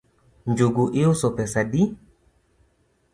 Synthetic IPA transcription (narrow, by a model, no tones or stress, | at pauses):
nd͡ʒoɡuʔeusɔpɛsadi